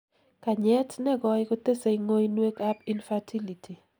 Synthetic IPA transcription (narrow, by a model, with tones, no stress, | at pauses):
ka˨ɲɛ˦tnɛ˦ɡɔ˦ɪko˦t̪e˦se˨jŋo˦jnwe˦ka˦pinfatʰi˦li˨tʰi˨